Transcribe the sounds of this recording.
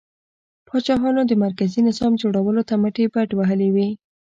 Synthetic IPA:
pʰɑt͡ʃɑɦɑnod̪əmaɾkazinɪzɑmd͡ʒoɽawəlot̪aməʈebaʈwaɦəlewi

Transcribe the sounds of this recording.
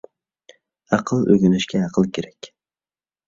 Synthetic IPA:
ɑqʰɨlˠø̰ɡʲynɪʃkʲɛɑqʰəlˠkʲʰeɾɛkʲ

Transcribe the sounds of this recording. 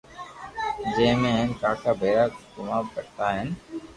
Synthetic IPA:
d͡ʒẽːmẽːɦɪnkaːkʰaːbʱeːɾaːɡʊmaːʋkəɽt̪aːɦɪn

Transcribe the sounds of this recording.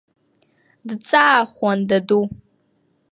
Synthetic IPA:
dɨt͡sʼaːχʷɔndɐdu

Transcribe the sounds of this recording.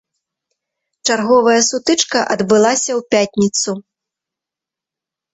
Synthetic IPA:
t͡ʂarɣɔvɐjɐsut̪ɨt͡ʂkɐʔɐd̪bɨlˠasʲɐwpʲat̪ʲnʲit̪su

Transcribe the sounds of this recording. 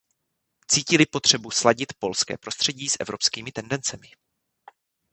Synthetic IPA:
t͡siːcɪlɪpo̞t̪r̝̥ɛbuslaɟɪt̪po̞lskɛ̰ːpɾo̞st̪r̝̥ɛɟiːsʔɛ̰vɾo̞pskiːmɪt̪ɛndɛnt͡sɛmɪ

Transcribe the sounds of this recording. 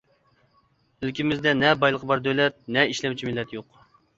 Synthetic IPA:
ølkʲimɪzd̪ɛnɛbɑjlˠəqʰəbɑɾd̪ølɛt̪̚nɛiʃlɛmt͡ʃʰimɪlːɛt̪joq

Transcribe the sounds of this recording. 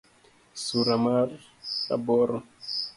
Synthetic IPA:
suɾamaɾ | a̰bɔɾɔ

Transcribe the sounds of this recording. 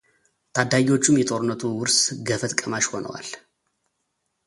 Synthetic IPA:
t̪ʰad̪aɡiwo̞t͡ʃːumjɛt̪ʼo̞ɾɨnːət̪ʰuwʊɾsɡəfət̪kʼəmaʃho̞nə̰wa̰l

